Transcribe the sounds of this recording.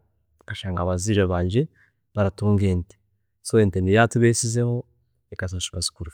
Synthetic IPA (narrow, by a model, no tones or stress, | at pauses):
kaʃaːŋɡaβaziɾaβaːɲɟe | βaɾatuːŋɡeːnte̥ | soeːntendijatuβeːsizeho | ekas̬osu̥kasu̥kuɾi